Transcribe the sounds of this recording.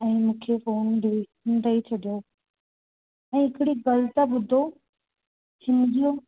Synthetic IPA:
ɛ̃ːmũːkʰefoːnɖɪʋɪʃənt̪ɐit͡ɕʰɐɗijo | ɛ̃ːɦɪkɪɽiɡɐlət̪əɓʊd̪ʱo | hɪmɗijo

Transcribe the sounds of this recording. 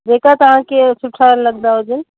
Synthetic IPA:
d͡ʒekat̪əɦãkesʰuʈʰaləɡ̚d̪aod͡ʒin

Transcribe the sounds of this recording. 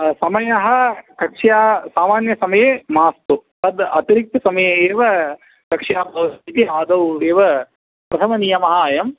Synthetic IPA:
sɐmɐjɐɦɐ̆kɐkʂjaːsaːmaːnjɐsɐmɐjeːmaːst̪upɐd̪ɐt̪iɾik̚t̪ɐsɐmɐjeeːʋɐ | kɐkʂjaːpɐʋit̪iaːd̪ɐweːʋɐ | pɾɐt̪ʰɐmɐnijɐmɐɦaːjɐm

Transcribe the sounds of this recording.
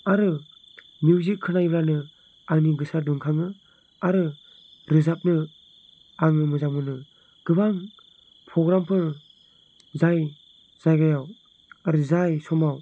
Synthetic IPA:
aɾɯ | mjuwzikʰːɯnajblanɯ | aŋniɡɯsaduŋkʰaŋɯ | aɾɯ | ɾɯzap̚nɯ | aŋɯmɯzamɯnɯ | ɡ̥ɯbaŋ | pʰɾɔɡɾampʰɯɾ | zaj | z̥ajɡajaw | aɾɯzajsɔmaw

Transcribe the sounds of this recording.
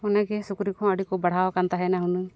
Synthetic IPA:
ɔnaɡɛsukɾikɔ̃əɽikɔbaɽ̤awkant̪aɦɛnaɦunɨ

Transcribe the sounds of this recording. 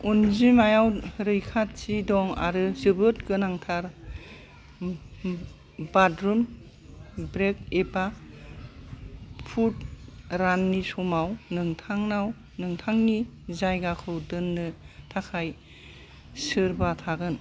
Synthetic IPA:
unzimajawɾɯjkʰat̚t͡ʃidɔŋa̰ɾɯzɯbɯt̚ɡɯnaŋtʰaɾ | badɾum | bɾek̚eba | pʰut̚ɾanːisɔmawnɯŋtʰaŋnaw | nɯŋtʰaŋni | zajɡakʰɯwdɯnːɯtʰakʰaj | sɯɾbatʰaɡɯn

